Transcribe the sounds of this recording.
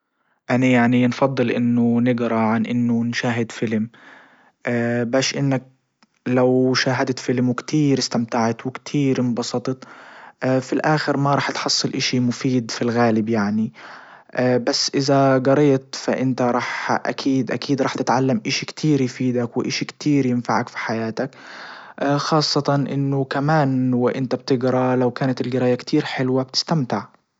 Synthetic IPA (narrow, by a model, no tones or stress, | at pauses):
ʔanajaʕninfɑd̪ˤːɨlʔɪ̰nːʊnɪɡɾaʕanʔɪnːʊnʃaːɦɪd̪fɪlm | ʔaːbaːʃʔɪnːak̚ | lawʃaːɦad̪at̪fɪlmwɪkt̪ʰiːɾɪst̪amt̪aʕat̪wɪkt̪ʰiːɾmbɑsˤɑt̪ˤt̪ʔfilʔaːxɪɾmaɾˤɑːħt̪ħɑsˤːɨlʔaʃimʊfiːd̪filɣaːlɪbjaʕni | basːʔɪzaɡɑɾˤɑjt̪faʔɪnt̪aɾˤɑːħʔa̰kʰiːd̪ʔa̰kiːd̪ɾˤɑːħt̪ɪt̪ʕalːamʔaʃikt̪ʰiːɾjfiːd̪akwɪʔaʃikt̪ʰiːɾjɪnfaʕakfi̥ħajaːt̪akː | xɑːsˤːɑt̪ɑnʔɪnːʊkamaːnwɪʔɪnt̪abt̪ɪɡɾˤɑlawkaːnat̪ɪlɡɑɾˤɑːjakt̪ʰiːɾħɪlwab̚t̪ɪ̥st̪amt̪ɪʕ